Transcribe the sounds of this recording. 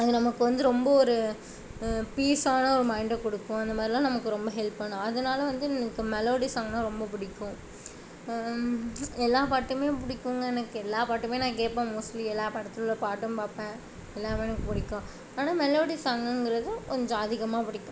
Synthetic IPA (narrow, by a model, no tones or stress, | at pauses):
ɐðɯnɐmɐkːɯʋɐnd̪ɯɾɔmbɐɔɾɯ | piːsaːnɐɔɾɯmɐɪɳɖɛkɔɽɯkːʊ̃ɐnd̪ɐmaːd̪ɾɪlãːnɐmɐkːɯɾɔmbɐɦɛlpːɐɳːʊ̃ɐðɐnaːlɐʋɐnd̪ɯɛnɐkːɯmɛloːɽisaːŋɡɐnɐ̃ɾɔmbɐpʊɽɪkːʊ̃ | ɛlːaːpaːʈːɯmeːpʊɽɪkːɯŋɡɐɛnɐkːɯɛlːaːpaːʈːɯmeːnãːk̬eːpːãːmuːsliɛlːaːpɐʈɐt̪ːɯlɯlːɐpaːʈːɯmpaːpẽː | ɛlːaːmeːnɐkːɯpʊɽɪkːõ | aːnaːmɛloːɽisaːŋɡɐnɡɪɾɐðɯkɔɲd͡ʒɔ̃ɐðɪɣɐmaːpʊɽɪkːʊ̃